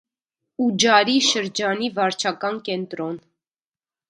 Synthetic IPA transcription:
ud͡ʒɑɾiʃəɾd͡ʒɑnivɑɾt͡ʃʰɑkɑnkɛnt̪ɾɔn

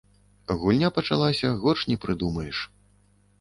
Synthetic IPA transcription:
ɣulʲnʲapɐt͡ʂa̰lˠasʲɐɣɔt͡ʂnʲɛpɾɨd̪umɐjɛʂ

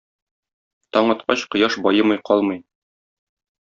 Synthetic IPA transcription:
t̪ɒɴɒt̪̚qɑɕqɤ̆jɑʃbɒjɤmɤjqɒlˠmɤj

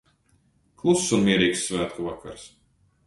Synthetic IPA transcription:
klˠusːunmiɛɾiːksːvæːt̪kuvakʰa̰ɾs

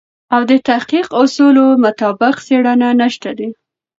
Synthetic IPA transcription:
awd̪ət̪ahqiqasolomʊt̪ɑbɪqseɽananaʃt̪ad̪i

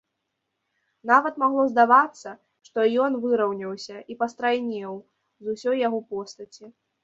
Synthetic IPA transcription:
navɐt̪maɣlˠɔzd̪avat̪sːɐ | ʂt̪ɔjɔnvɨɾɐwnʲɐwsʲɐʔipɐst̪ɾajnʲɛw | zusʲɔjːaɣɔpɔst̪ɐt͡sʲi

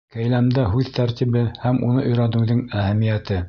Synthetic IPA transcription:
kæjlæmd̪æɦʉðt̪æɾt̪iβɘhæmʔunɤʔɵ̆jɾænɘ̆wðɘŋæhæmijæt̪ɘ

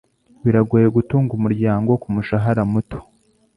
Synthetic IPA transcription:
wiɾaɡujeɡutuːŋɡumuɾɟaːŋɡo̞kumuʃaɦaɾamuto̥

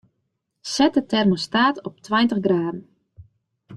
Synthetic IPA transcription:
sɛt̚ətɛrmostaːtɔp̚tʰwajntəɣɡraːdn̩

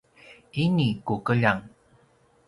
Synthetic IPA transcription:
inikukəʎaŋ

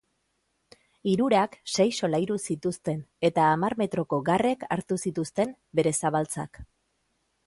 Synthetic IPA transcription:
iɾuɾakse̞jso̞lajɾusit̪ust̪e̞ne̞t̪aːmaɾme̞t̪ɾo̞ko̞ɡare̞kʰaɾt̪usit̪ust̪e̞m | be̞ɾe̞saβalt͡sa̰k

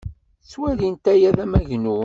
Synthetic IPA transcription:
swæðint̪æjæðæmæʝnu

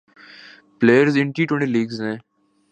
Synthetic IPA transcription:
pleːjəɾzɪ̃ɳʈiːʈwɛ̃ɳʈiːliːɡznẽː

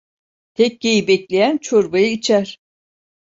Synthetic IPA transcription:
t̪ʰɛc̚ːejibɛclʲejænt͡ʃʰoɾbajɯit͡ʃʰæɾ̥

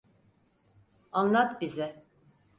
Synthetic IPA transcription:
anlˠat̪bizɪ

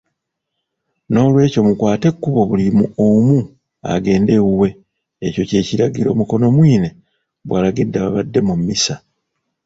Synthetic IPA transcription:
no̞ːlwe̞ːco̞mukwaːte̞kːuβo̞βulimuomu | a̰ɡe̞ːnde̞wuwe̞ | eco̞ce̞ːciɾaɡiɾo̞̰ːmuko̞no̞mwiːne̞ | βwalaɡidːaβaβadːe̞mumːisa

